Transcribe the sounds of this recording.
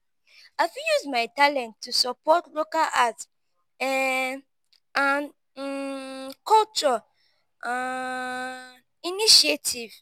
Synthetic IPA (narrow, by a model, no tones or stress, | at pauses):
aɪfĩjusmaɪtalɛ̃ntʰːusɔpɔtlokaʔat | ɛ | ãn | kɔlt͡ʃɔ | a | iniʃietʰiv